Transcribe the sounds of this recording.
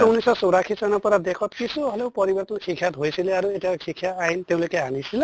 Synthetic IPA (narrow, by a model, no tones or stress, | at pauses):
unisɔsowɾakʰisanɔpɔɾad̪ekʰɔt̪kisuɦɔleʊpɔɾibɔɾt̪ɔnsʰikʰjat̪ɦojsileaɾuetiakikʰːjaajnt̪eʊ̃lokeanisile